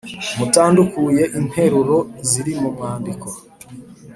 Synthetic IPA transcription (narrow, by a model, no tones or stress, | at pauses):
mutaːndukuje̞ʔin̥he̞ɾuɾo̞ziɾimumŋaːndiko̞